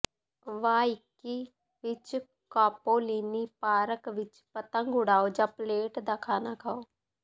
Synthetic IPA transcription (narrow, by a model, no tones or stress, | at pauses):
ʋaːɪkiː | ʋɪt͡ʃ | kaːpoːliːniːpaːɾəkʋɪt͡ʃpət̪ə̃ŋɡʊɽaːoːd͡ʒaːpleːʈd̪aːkʰaːnaːkʰaːoː